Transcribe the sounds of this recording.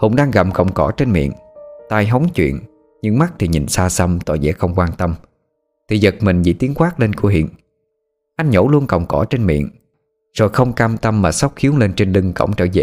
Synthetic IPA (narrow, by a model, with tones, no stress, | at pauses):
hʊ̰˧˥wŋ͡mɗaː˧ŋɣa˨˩p̚kə̰˨˩wŋ͡mkɔ˧˩t͡ɕe˧nmḭ˧˨ənt̪aː˧jɦə˨˦wŋ͡mt͡ɕwḭ˧˨ən | ɲɨ̰˧˥ŋma˦˥k̚t̪ʰi˨˩ɲḭ̈˨˩nsaː˧sə˧mt̪ɔ̰˧˨˩zɛ̰˧˥xə˧wŋ͡mkwaː˧nt̪ə˧m | t̪ʰi˨˩zə˨˩t̚mï˨˩ŋ̟zḭ˧˥t̪i˨˦ənkwaː˦˥k̚le˧nku˧˩ɦḭ˧˨ən | ʔa˧jŋ̟ɲo˧˥˦lu˧ənkə̰˨˩wŋ͡mkɔ˧˩t͡ɕe˧nmḭ˧˨ən | z̥o̰˧˨˩jxə˧wŋ͡mkaː˧mt̪ə˧mːaː˨˩sa˦˥wk͡p̚xi˨˦əwle˧nt͡ɕe˧nlɨ˧ŋkə̰˧˩wŋ͡mt͡ɕəː˧˩zɛ̰˧˨